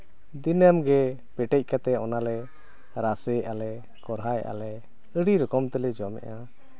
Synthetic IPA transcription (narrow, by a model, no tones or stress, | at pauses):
d̪inamɡɛ | pɛʈɛc̚ˀkat̪ɛɔnalɛ | ɾasɛʔalɛ | kɔɾɦajɛ̰ʔa̰lɛ | əɽiɾɔkɔmt̪ɛlɛd͡ʒɔmɛ̰ʔa